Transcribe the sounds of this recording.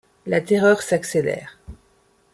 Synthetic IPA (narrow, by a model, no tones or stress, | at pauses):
lat̪eʁœʁsakselɛ̰ːʁ